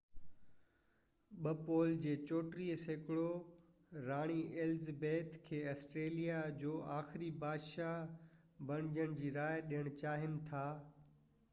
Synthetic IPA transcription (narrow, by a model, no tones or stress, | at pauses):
ɓɐpoːld͡ʑeːt͡ɕoːʈɾiːseːkɪɭo | ɾaːɽ̃iʔɪlzbeːt̪ʰkʰeːɐsʈɾeːlijad͡ʑoːʔaːxɪɾibaːd̪ʃaɦ | bɐɽ̃ɪd͡ʑəɽ̃d͡ʑiːɾaːɪɗijəɽ̃t͡ɕaːɦɪnɪ̆t̪ʰaː